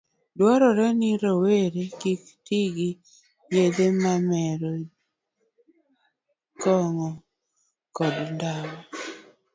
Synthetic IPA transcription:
dwɔɾɔɾɛnɪɾoweɾekiktiɡi | jed̪emamɛɾo | kɔŋɔ | kɔdndawɔ

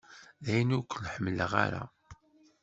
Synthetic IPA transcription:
ðæjnukʷːəlħəmːləʁa̰ɾa̰

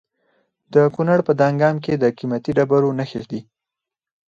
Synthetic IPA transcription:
d̪əkunaɽpəd̪ɑŋɡɑmked̪əkimat̪iɖabaɾonaxisd̪i

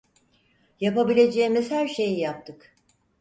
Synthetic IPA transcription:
japabilʲe̞d͡ʒeːimiz̥hæɾʃe̞jijap̚t̪ʰɯk

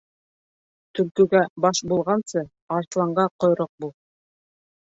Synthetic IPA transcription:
t̪ɵ̆lkɵ̆ɡæbɑʃbulˠʁɑnsɤ | ɑɾt̪lˠɑɴɢɑqŏjɾoq̚bulˠ

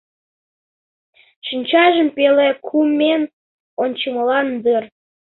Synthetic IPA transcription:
ʃinʲt͡ɕɑʒəmpelekʰumʲen | onʲt͡ɕəməlɑnd̪ər

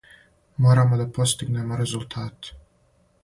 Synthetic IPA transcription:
mo̞ːɾamod̪apo̞st̪iɡne̞moɾe̞zulˠt̪ʰaːt̪

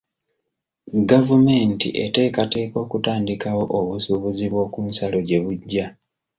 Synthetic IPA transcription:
ɡavume̞ːntḭʔete̞ːkate̞ːko̞ːkutaːndikawo̞ʔoβusuβuziβwo̞ːkuːnsalo̞ɟe̞βuɟːa

